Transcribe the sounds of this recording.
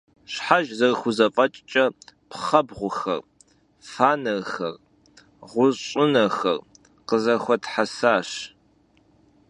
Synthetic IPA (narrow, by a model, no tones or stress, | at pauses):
ɕħaʒzɐrxʷʊzɐfʼɐt͡ʃʼt͡ʃʼɐpʰχɐbʁʷʊxɐ̰r | faːnɐrxɐr | ʁʷʊɕʼɪnɐxɐr | qəzɐxʷɔtħasaːɕ